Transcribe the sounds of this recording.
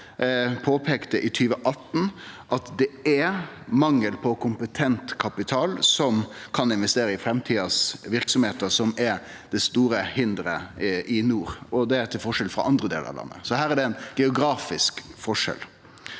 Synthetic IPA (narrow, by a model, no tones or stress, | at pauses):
pʰoːpʰeːkt̪əʔɪt̪ʰyːʋəʔɑt̪ːn̩ʔɑt̪d̪ɛæmɑŋːəlpʰɔkʰʊmpət̪ʰɛnt̪kʰɑpɪt̪ʰɑːlsɔmkʰɑnɪnʋɛst̪eːɾəɪfɾɛmt̪ʰiːɑsʋɪɾksɔmheːt̪əsɔmɛɾ | d̪̥ɛst̪uːɾəhɪnd̪ɾəʔɪnuːɾɔd̪ɛæɾt̪ʰɪlfɔʂɛlfɾɑ̰ʔɑnd̪ɾəd̪ḛːlə̰ɾɑ̰ʋlɑ̰nːə̰sɔhæːɾæɖɛnɡ̥ɛʊɡɾɑːfɪskfɔʂɛ̰l